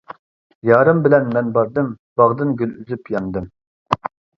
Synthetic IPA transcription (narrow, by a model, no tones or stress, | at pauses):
jɑːɾɨmbɪlɛnmɛnbɑɾd̪ɨm | b̥ɑʁd̪ɨnɡʲylyzypjɑnd̪ɨm